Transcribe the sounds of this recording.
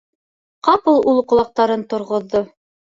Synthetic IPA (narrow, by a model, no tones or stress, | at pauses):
qɑpɤlˠulˠqŏlˠɑq̚t̪ɑɾɤnt̪ŏɾʁŏðːo